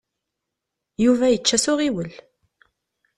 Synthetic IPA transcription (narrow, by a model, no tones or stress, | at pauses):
juvæjət͡ʃːæsʊʁiwəl